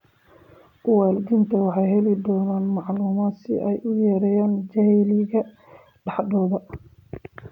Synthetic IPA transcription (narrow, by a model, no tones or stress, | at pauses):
ʊwaːlɡ̪ɪnt̪ʰɐwɑħɑjhɛlɪd̪ɔːnaːnmɑʕluːmaːd̪sɪ̰ʔɛjʔʊjɛːɾɛjaːnd͡ʒɐhɛlɪɣɐ | ɖɑħɖ̪ɔːðɐ